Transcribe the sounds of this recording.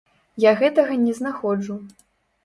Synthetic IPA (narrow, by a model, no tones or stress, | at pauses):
jaɣɛt̪ɐɣɐnʲɛznaxɔd͡ʐu